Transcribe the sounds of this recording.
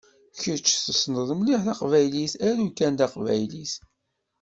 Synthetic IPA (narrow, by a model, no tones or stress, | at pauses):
çəɾt͡ʃːθəsnəðˤmliħθɑqvæjlisæɾukænd̪ɑqvæ̰jlis